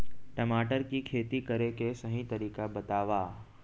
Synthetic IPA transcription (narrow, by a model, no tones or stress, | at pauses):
ʈɐmaːʈəɾkikʰeːt̪ikɐɾekesɐɦĩt̪ɐɾiːkabɐt̪aːʋaː